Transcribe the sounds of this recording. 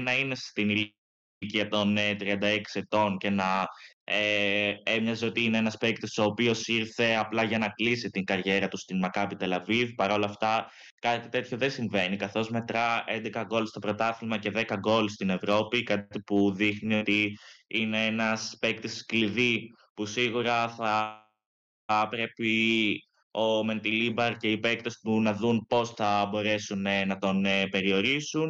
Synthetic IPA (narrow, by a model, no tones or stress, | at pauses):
nɐine̞st̪inil | ciɐt̪o̞nt̪ɾiɐnd̪ɐeksie̞t̪o̞nce̞nɐeemɲɐzio̞t̪iineenɐspekt̪iso̞ːpio̞siɾθe̞ɐplɐʝɐnɐklisit̪iŋɡɐɾʝe̞ɾɐt̪ust̪inmɐkɐpit̪e̞lɐvivpɐɾo̞lɐft̪ɐ | kɐt̪it̪e̞t̪ço̞ðe̞siɱve̞nikɐθo̞zme̞t̪ɾɐe̞nd̪e̞kɐɡo̞list̪o̞pɾo̞t̪ɐθilmɐce̞ðe̞kɐɡo̞list̪ine̞vɾo̞pikɐt̪ipuðixnio̞t̪iineenɐspekt̪eskliði | pusiɣuɾɐθɐ | pɾe̞pi | o̞me̞nt̪ilibɐɾce̞ipe̞kt̪est̪unɐðunpo̞sθɐbo̞ɾe̞sunnɐt̪o̞nepe̞ɾio̞ɾisun